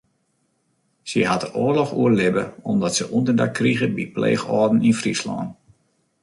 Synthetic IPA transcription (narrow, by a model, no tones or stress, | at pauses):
səɦatəʔoːrlɔxuəlɪbəɔmdɔtsəʔundərdakːriɣəbiplḛːxɔːdn̩infrislɔ̰ːn